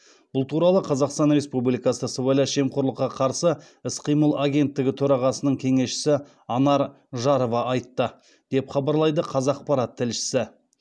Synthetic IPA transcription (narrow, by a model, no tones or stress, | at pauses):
b̥ʊlˠt̪ʰuɾɑlˠəqʰɑzɑqst̪ɑnɾʲe̞spublijkɑsəsowajlɑʃe̞mqʰoɾlˠəqːɑqʰɑɾsə | ɪsqijməlˠaɡʲe̞nt̪ːɪɡʲɪt̪ʰɵɾɑʁɑsənəɴkʲʰe̞ŋe̞sʃɪ̥sɪ | ɑnɑɾ | ʒɑɾovɑʔɑjt̪ːə | d̪̥e̞pχɑbɑɾlˠɑjd̪əqʰɑzɑːq̚pɑɾɑt̪ʰːɪlʃɪ̥sɪ